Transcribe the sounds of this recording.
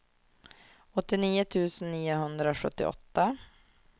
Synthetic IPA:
ɔt̪ːɪniːʊt̪ʰʉ̟ːsənːiːʊɦɵnd̪ɾaɔɧɵ̰t̪ːɪ̰ʔɔ̰t̪ːa

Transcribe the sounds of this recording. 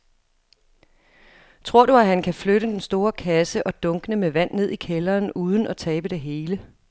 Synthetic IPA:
t͡sʰʁo̝ɐ̰d̥uæhænkʰæfløɾəd̥ensd̥o̝ːɐkʰæsəʔɒ̽d̥ɔ̽ŋɡ̥ənəmeʋæn̰ːe̝ð̞ˠikʰelɐːnuːð̞ˠən̩ʔɒ̽t͡sʰɛːb̥əd̥e̝ɦe̝ːlə

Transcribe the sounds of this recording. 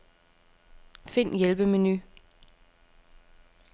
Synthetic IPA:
fin̰jelb̥əmeny

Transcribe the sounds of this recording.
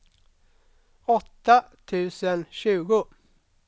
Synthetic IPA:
ɔt̪ːat̪ʰʉ̟ːsənɕʉ̟ːɡʊ

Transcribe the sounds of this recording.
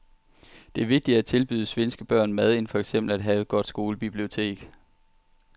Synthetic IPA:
d̥e̝æɐʋe̝ɡ̥̚d̥i̥æt͡sʰe̝lb̥yːðˠəsʋensɡ̥əb̥ɶɐ̰nmæð̞ˠe̝nfɒeɡ̥sem̰b̥l̩æd̥ɦɛːʊɡ̥ɒ̽d̥sɡ̥o̝ːləb̥ib̥lio̝t͡sʰe̝̰ːɡ̥

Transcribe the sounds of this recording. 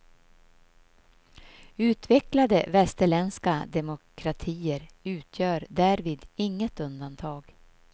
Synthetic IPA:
ʉ̟ːt̪vɛklad̪əvɛst̪əɭɛnskad̪ɛmʊkʰɾat̪ʰiːəɾʉ̟ːt̪ʰjœːɾd̪æːɾviːd̪ɪŋːət̪ɵnd̪ant̪ʰɑːɡ

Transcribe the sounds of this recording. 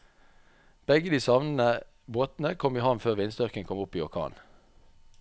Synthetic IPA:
b̥ɛɡəd̪iːsɑʋnn̩ə | boːt̪n̩əkʰɔmiːhɑnføːʁʋɪnsd̪œʁkəŋkʰɔmʊpiːɔʁkʰɑ̰ːn

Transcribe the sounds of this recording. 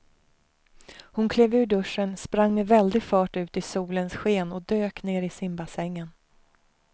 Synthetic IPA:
hʊnkʰleːvʉ̟ːɖɵʂənspɾaŋːmɛvɛld̪ɪɡfœːʈʉ̟ːt̪ɪsuːlənsɧeːnɔd̪øːkneːɾɪsɪmbasɛŋːən

